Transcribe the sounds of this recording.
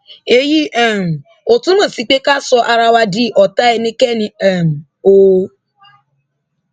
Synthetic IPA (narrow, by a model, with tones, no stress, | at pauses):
e˧ji˦ɛ˦˨m̩˨ | o˨tũ˦mã˦˨si˨˦k͡pe˦ka˦sɔ˧ʔa˧ɾa˧wa˧di˦ʔɔ˨ta˨˦ɛ˧nĩ˦kɛ˦nĩ˧˦ɛ˦˨m̩˨ | o˧